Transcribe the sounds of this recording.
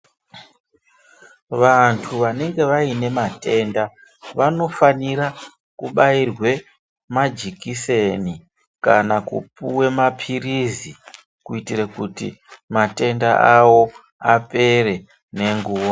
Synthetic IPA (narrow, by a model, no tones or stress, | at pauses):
ʋantʰuʋane̞ŋɡe̞ʋaine̞mate̞nda | ʋano̞faniɾa | kuɓairwe̞ | mad͡ʒikise̞ni | kanakṵpuwe̞mapʰirizi | kuitirekutḭmate̞ndaʔawo̞ | ape̞re̞ | ne̞ŋɡuːwo